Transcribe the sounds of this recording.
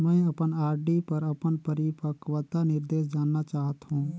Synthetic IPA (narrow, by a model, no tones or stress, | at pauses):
mɛ̃ɐpənaːɾɖipəɾɐpənpəɾipəkʋət̪anɪɾd̪eːsd͡ʒaːnːat͡ʃaːɦət̪ɦũː